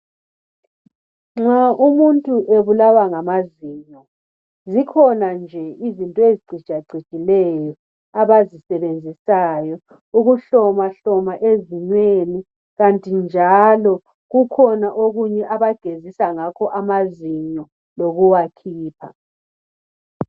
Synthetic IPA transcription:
ŋ͡ǁaʔumuntʼuʔeβulawaŋamaziɲɔ | zikʰɔnand͡ʒʱɛizintʼɔeziɡ͡ǀʱid̥ʒ̥ʱaɡ͡ǀʱi̥ɡ̥ʱilɛjɔ | aβazisɛβend͡zʱisajɔ | uɣuɬɔmaɬɔmaʔeziɲweni | ɣantʼind͡ʒʱalɔ | ɣukʰɔnaʔoɣuɲɛʔaβaɡ̥ʱezisaŋakʰɔʔamaziɲɔ | loɣuwakʰiːpʰa̰

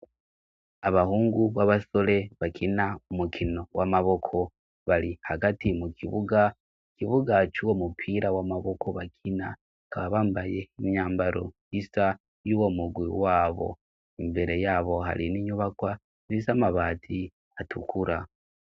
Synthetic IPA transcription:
aβahuːŋɡuβaβasole̞βakʰinaumukʰino̞wamaβo̞kʰo̞ | βaɾihaɡatimukiβuɡa | kiβuɡat͡ʃuwomupʰiɾawamaβo̞kʰo̞βakʰina | kaβaβaːmbajeimɲaːmbaɾo | isa | juwo̞muɡwiwaːβo̞̰ | imbe̞ɾe̞jaːβo̞ɦa̰ɾiniɲuβakwa | zisamaβaːtʰi | atʰukuɾa

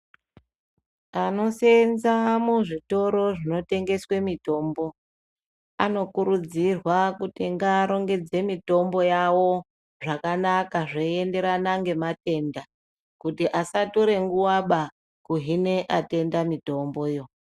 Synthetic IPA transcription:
ano̞se̞nzamuʐito̞ɾo̞ʐino̞te̞ŋɡe̞swe̞mito̞ːmbo̞ | a̰no̞kuɾud͡zirwakutiŋɡaːɾo̞ŋɡe̞d͡ze̞mito̞mbo̞jawo̞ | ʐakanakaʐeie̞nde̞ɾanaŋɡe̞mate̞nda | kutiʔasatoɾe̞ŋɡuwaɓa | kuɦine̞ʔate̞ndamito̞mbo̞jo̞

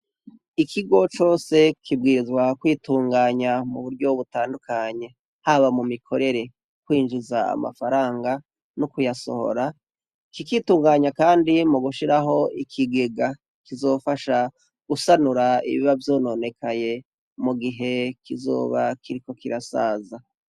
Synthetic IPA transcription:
ikʰiɡo̞t͡ʃo̞ːse̞kʰib̚ɡiːɾizwakwiːtuːŋɡaːɲamuβuɾɟo̞βutaːndukʰaɲe̞ | haβamumikʰo̞ɾe̞ɾe̞ | k̚wiːnʒuzaa̰ma̰faɾaːŋɡa | nukujaso̞̰ho̞̰ɾa | kikituːŋɡaːɲakaːndimuɡuʃiɾaɦo̞ikʰiɡe̞ɡa | kizo̞ːfaʃa | ɡ̥usanuɾaḭβḭβavjo̞ːno̞ne̞kʰaje̞ | muɡiɦe̞kizo̞̰ːβa̰kʰiɾiko̞kiɾasa̰ːza

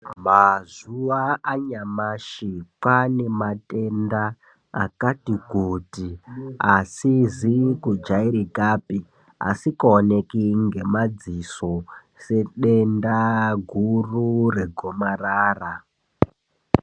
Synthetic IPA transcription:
mazuʋaaɲamaʃipane̞matʼe̞nda̰ː | katiɡʱotiasizikud͡ʒaiɾikaːpi | a̰sikaone̞kiŋɡe̞mad͡ziso̞ | se̞ɗe̞ndaɡʱurure̞ɡʱo̞maraːra

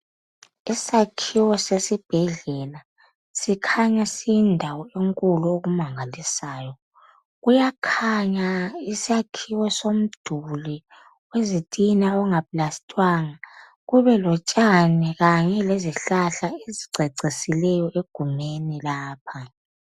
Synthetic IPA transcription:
isakʰiwɔsesib̥ʱɛɮɛla | sikʰaɲasindʱawɔeŋkʼuluoɣumaŋalisaːjɔ | ɣujakʰaɲaisakʰiwɔsom̩d̥ʱuli | wezitʼinaɔŋaplastʼwaːŋa | ɣuβɛlɔt͡ʃʼanɛɣaɲɛleziɬaɬaeziǀʱeǀisilɛjɔʔeɡ̥ʱumenilaːpʰa

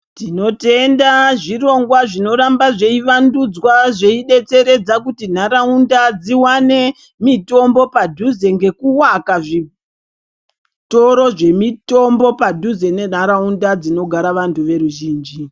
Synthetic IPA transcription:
tino̞te̞ndaʐiro̞ŋɡwaʐino̞ɾambaʐe̞iʋandud͡zwaʐeiɗe̞t͡se̞ɾe̞d͡zakutin̤aɾaundad͡ziwane̞ | mito̞mbo̞padʱuze̞ŋɡe̞kuwakaʐi | to̞ɾo̞ʐe̞mito̞mbo̞padʱuze̞ne̞n̤aɾaundad͡zino̞ɡʱaɾaʋantʰuʋe̞ɾuʒiːnd͡ʒi

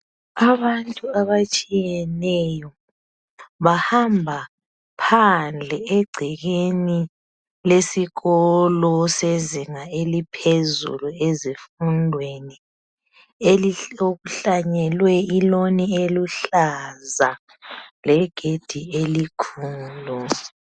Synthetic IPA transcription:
aβantʼuaβat͡ʃʼijɛnɛjɔ | βahambʱa | pʰand͡ɮʱɛɛɡ͡ǀʱɛɣeni | lesiɣɔlɔseziŋaelipʰezṵluezifundʱweni | eloɣuɬaɲɛlwɛilonieluɬaza | lɛɡ̥ʱed̥ʱielikʰuːlu

